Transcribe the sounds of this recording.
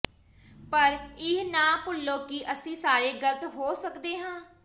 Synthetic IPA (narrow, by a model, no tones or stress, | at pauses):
pəɾɪɦnãːpʊlːoːkɪʔəsĩːsaːɾeːɡələt̪ɦoːsəkd̪eːɦãː